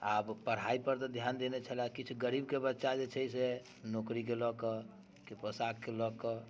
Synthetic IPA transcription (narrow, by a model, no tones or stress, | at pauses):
abpəɽ̤aipəɾt̪ɔd̪ʱjand̪enet͡ʃʰəlakit͡ʃʰuɡəɾibkebətːʃad͡ʒet͡ʃʰəjse | nokɾikelɔkə | kepɾɔsakkelɔkə